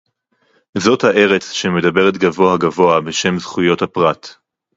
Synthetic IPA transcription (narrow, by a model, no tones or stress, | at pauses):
zo̞thaʔe̞ʁet͡sʃeme̞dabe̞ʁet̪ɡavo̞aɡavo̞abeʃe̞mzχujo̞thapʁat